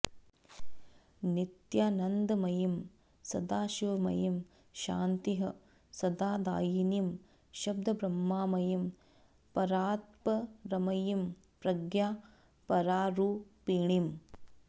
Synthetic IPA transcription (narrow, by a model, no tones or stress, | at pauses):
nit̪jaːnɐnd̪ɐmɐjim | sɐd̪aːʃiʋɐmɐ̰jim | ʃa̰ːnt̪iɦɐ | sɐd̪aːd̪a̰ːjinim | ʃɐb̚d̪ʱɐbɾɐmːaːmɐjim | pɐɾaːt̪̚pɐɾɐmɐjim | pɾɐɡjaː | pɐɾaːɾuːpiːɳim